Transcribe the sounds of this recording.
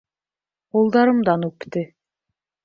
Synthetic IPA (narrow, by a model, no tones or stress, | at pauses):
qulˠd̪ɑɾɤ̆md̪ɑnʉkt̪ɘ